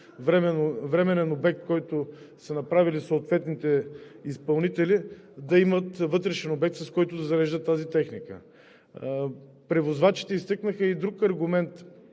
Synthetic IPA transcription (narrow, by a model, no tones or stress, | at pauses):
vɾɛmnvɾɛmɛnɛnobɛk̚t̪̚kɔjt̪ʊ | sɐnɐpɾavilisoːt̪vɛt̪nit̪ɛispɐlˠnit̪ɛli | d̪ɐimət̪vɤt̪ɾɛʃɛnobɛk̚t̪sɐskɔjt̪ʊd̪ɐzɐɾɛʒd̪ət̪ːazit̪ɛxnikə̰ | pɾɛvozvat͡ʃi̥t̪ɛist̪ɤknəxəid̪ɾukɐɾɡʊmɛnt̪